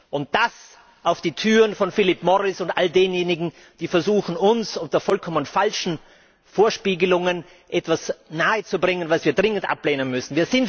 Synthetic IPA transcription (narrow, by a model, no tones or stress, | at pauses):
ʔʊnt̚d̥as | ʔaʊfd̥iːtʰyːʁənfɔnfɪlɪpmɔʁɪsʊntʔaldeːnjeːnɪɡŋ̩ | d̥iːfɛɐzuːxn̩ʊnsʔʊntɐfɔlkʰɔmənfalʃn̩ | foːɐʃpiːɡəlʊŋən | ʔɛtv̥asnaːət͡subʁɪŋənvasviːɐdʁɪŋəntʔa̰pleːnənmʏsn̩viːɐzɪn